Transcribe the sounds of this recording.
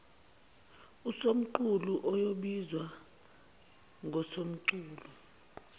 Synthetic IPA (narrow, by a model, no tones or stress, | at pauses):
usom̩ǃuluʔɔjoɓizwa | ŋʱɔsom̩ǀuːlu